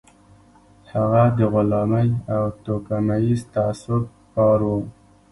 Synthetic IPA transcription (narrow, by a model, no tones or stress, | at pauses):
haɣad̪əɣʊlɑməjawt̪okamajizt̪aasʊd̪̚ | pɑɾwu